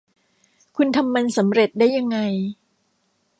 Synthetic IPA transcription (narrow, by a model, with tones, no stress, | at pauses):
kʰu˧nt̪ʰa˧mːa˧nsa˩˦mɾe˨˩t̪̚daː˥˩jːa˧ŋːa˧j